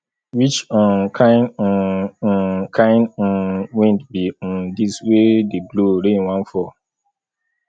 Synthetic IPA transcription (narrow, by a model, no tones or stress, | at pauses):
wit͡ʃɔ̃nkʰãɪn̩ | kʰãɪn̩wẽntbĩdiswedebloɾẽnwãnfɔ